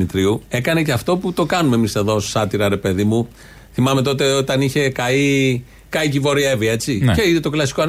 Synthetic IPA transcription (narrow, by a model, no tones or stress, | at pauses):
mit̪ɾiue̞kɐne̞ceɐft̪o̞put̪o̞kɐnumemise̞ðo̞ssɐt̪iɾɐɾe̞pe̞ðimu | θimɐme̞t̪o̞t̪eo̞t̪ɐniçe̞kɐi | kɐicivo̞ɾie̞vie̞t͡siceiðt̪o̞klɐsi̥koɐ